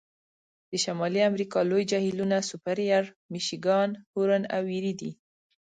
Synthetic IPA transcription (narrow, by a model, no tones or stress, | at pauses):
d̪̥əʃamɑliamɾikɑlojd͡ʒɑhilunasʊpaɾjaɾ | miʃiɡɑnhuɾana̰wiɾid̪ḭ